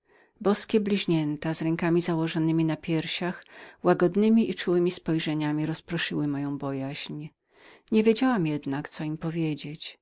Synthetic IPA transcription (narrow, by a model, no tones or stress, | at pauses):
bɔskʲɛblʲiʑɲɛnt̪azɾɛŋkamʲizawɔʐɔnɘmʲinapʲjɛɾɕaxwaɡɔd̪nɘmʲiʔit͡ʂuwɘmʲispɔjʐɛɲamʲiɾɔspɾɔʂɘwɘmɔjɔ̃w̃bɔjaʑɲ | ɲevʲjed͡ʑawamjɛd̪nakt̪sɔimpɔvʲjed͡ʑet͡ɕ